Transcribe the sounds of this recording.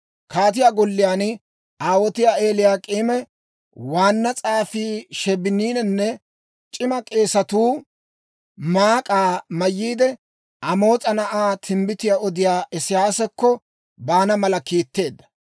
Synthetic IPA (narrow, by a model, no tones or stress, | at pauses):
kʰaːt̪̬ɪjaːɡɔlːɪjaːn | aːwɔt̪ɪjaːe̞ːlɪjaːkʼiːmɛ | waːnːɐt͡sʼaːfiːʃɛbɪniːnɛnːɛ | t͡ʃʼɪmɐkʼe̞ːsɐt̪uː | maːkʼaːmɐjːiːd̪ɛ | ɐmo̞ːt͡sʼɐnɐʔaːt̪ʰɪmbɪt̪ɪjaɔd̪ɪjaːʔɛsɪjaːsɛkːɔ | baːnɐmɐlɐkiːt̪ːe̞ːd̪ːɐ̥